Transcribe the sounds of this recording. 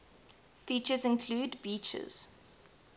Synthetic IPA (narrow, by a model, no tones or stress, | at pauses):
fiːˑt͡ʃəzɪ̃nkʰluːdbiˑt͡ʃə̰z̥